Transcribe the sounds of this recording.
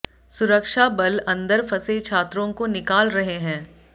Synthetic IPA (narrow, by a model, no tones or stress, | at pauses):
sʊɾəkʃabɐlɐ̃nd̪əɾpʰɐset͡ʃʰaːt̪ɾõkonɪkaːlɾɐɦeɦɛ̃ː